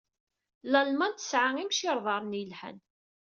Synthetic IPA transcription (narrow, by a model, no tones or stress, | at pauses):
lælmænt̪ə̥sʕaŋimʃiɾˤðˤɑɾˤnilħæ̰n